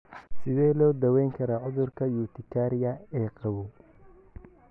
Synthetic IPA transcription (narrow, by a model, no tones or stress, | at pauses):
sɪðɛːlɔːd̪ɐwɛjŋkʰɐɾaːʕʊðʊrkʰɐjuːt̪ʰɪkʰaːɾɪjɐɛːqɑwɔ